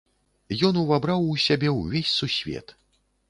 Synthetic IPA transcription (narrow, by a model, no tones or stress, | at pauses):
jɔnuvabɾawusʲabʲɛwvʲesʲsusʲvʲɛ̰t̪